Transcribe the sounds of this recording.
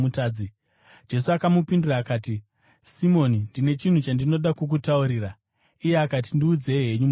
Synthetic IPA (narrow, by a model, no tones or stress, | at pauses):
utaːd͡zi | d͡ʒe̞suakamupindiraːkaːti | simo̞nindine̞t͡ʃin̤ut͡ʃandino̞ɗakuk̬utauɾiːra | ijeakat̬indiuːd͡ze̞ɦe̞ɲum